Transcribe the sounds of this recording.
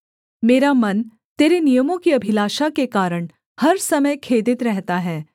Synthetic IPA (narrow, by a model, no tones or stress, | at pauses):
meːɾamɐn | t̪eːɾenijəmõkiɐbʱɪlaːʃakekaːɾəɽ̃ | hɐɾsɐməjkʰeːd̪ɪt̪ɾɛɦt̪aɦɛː